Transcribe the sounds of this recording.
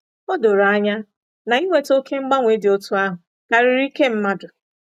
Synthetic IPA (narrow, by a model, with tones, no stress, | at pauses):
o˦do˨ɾa˦ɲa˦ | na˨i˦ŋʷe˨˦to˦kʰe˦ŋ͡m̩˦ɡ͡ba˦ŋʷe˨˦dɪ˨o˦tu˦a˦ɦʊ˨ | ka˨ɾɪ˨ɾi˦ke˦m̩˦ma˦dʊ˨